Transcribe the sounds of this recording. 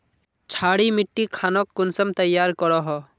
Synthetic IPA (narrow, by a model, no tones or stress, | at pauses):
t͡ʃʰaːɽimɪʈːikʰaːnɔkːʊnsəmt̪əjːaːɾkɔɽɔɦɔ